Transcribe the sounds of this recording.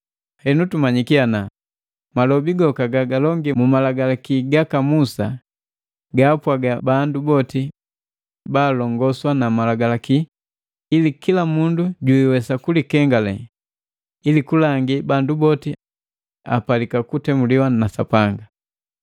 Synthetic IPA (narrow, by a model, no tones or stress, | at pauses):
hɛnutumaɲikiana | malɔbiɡɔkaɡaɡalɔŋɡimumalaɡalakiɡakamusa | ɡaːpwaɡabandubɔti | baːlɔŋɡɔswanamalaɡalakiː | likilamunduɟuiwɛsakulikɛŋɡalɛ | ilikulaŋɡibandubɔti | a̰palikakutɛmuliwanasa̰paŋɡa